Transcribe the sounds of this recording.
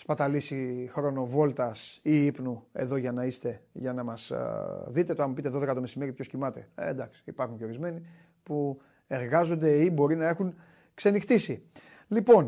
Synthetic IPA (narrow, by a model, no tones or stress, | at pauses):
spɐt̪ɐlisixɾo̞no̞vo̞lt̪ɐsiipnuḛðo̞ʝɐnɐist̪e̞ʝɐnɐmɐsðit̪e̞t̪oɐmupit̪eðo̞ðe̞kɐt̪ome̞sime̞ɾipçoscimɐt̪e̞̰ḛnd̪ɐksi̥ipɐɾxuɲce̞o̞ɾizme̞ni | pu | e̞ɾɣɐzond̪e̞ibo̞ɾinɐe̞xuŋ | kse̞nixt̪isi | lipo̞n